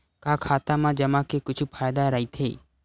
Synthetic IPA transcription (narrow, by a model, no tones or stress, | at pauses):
kaːkʰaːt̪amãd͡ʒɐmãkekʊt͡ʃʰupʰaːjd̪aɾɐɦit̪ʰḛː